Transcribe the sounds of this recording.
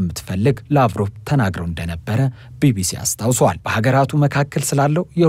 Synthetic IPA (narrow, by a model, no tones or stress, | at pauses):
mːɨt̪fəlːɨɡlavɾo̞bt̪ʰənaɡɾəwɨnd̪ənəbːəɾə | bibisia̰st̪ʼawsəwa̰lb̥əhaɡəɾat̪ʰuməkʰakʰːəlsɨlalːəjɛ